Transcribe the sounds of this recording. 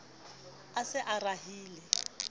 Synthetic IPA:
asɪʔaraɦiːlɛ

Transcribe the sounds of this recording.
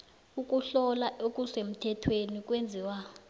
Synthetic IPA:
uk̬ʼuɬɔlaʔokʼusem̩tʰɛtʰwenik̬ʼwend͡zʱiːwa

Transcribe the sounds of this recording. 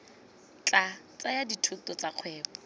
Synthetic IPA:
t͡ɬat͡sajaditʰʊtɔt͡saq͡χʰwɛːbɔ

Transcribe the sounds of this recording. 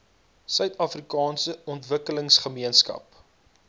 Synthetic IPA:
sœɥtɐfrikɑːnsəɔntvəkələŋsχəmiənskɐ̰p̚

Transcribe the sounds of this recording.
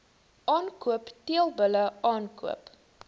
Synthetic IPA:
ʔɑːnkuəptiəlˠbələɑːnkṵəp

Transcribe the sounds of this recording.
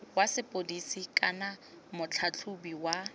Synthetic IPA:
wasɪpʼodisikʼana | mʊt͡ɬʰat͡ɬʰubiwa

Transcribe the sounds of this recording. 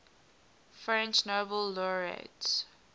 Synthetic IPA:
fɹɛ̃nt͡ʃnobəlːɔɹḛts

